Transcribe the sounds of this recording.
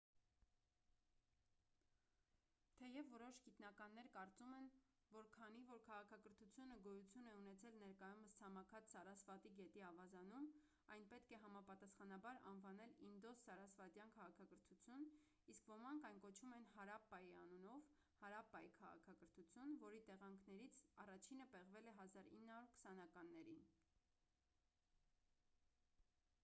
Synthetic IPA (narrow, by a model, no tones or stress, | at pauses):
t̪ʰɛjɛvːɔɾɔʃɡit̪nɑkɑnːɛɾkɑɾt͡sumɛn | vɔɾkʰɑn̪ivɔɾkʰɑʁɑkʰɑkəɾt̪ʰut͡sʰjunəɡɔjut͡sʰjunɛunɛt͡sʰɛlnɛɾkɑjuməst͡sʰɑmɑkʰɑt͡ssɑɾɑsvɑt̪iɡɛt̪iɑvɑzɑnum | ɑjnpɛt̪kʰɛɦɑmɑpɑt̪ɑsχɑnɑbɑɾɑ̰nvɑnɛlind̪ɔsːɑɾɑsvɑt̪jɑnkʰɑʁɑkʰɑkəɾt̪ʰut͡sʰjun | iskvɔmɑŋkʰɑjnkɔt͡ʃʰumɛnhɑɾɑpːɑjiɑ̰nunɔv | hɑɾɑpːɑjikʰɑʁɑ̰kʰɑkəɾt̪ʰut͡sʰjunvɔɾit̪ɛʁɑŋkʰnɛɾit͡sʰɑrɑt͡ʃʰinəpɛʁvɛlɛɦɑzɑɾḭnːhɑɾuɾkʰə̥sɑnɑkɑnːɛɾin